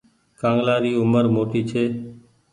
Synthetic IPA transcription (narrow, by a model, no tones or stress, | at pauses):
kãːŋɡlaːɾiːʊməɾmoːʈiːt͡ʃʰeː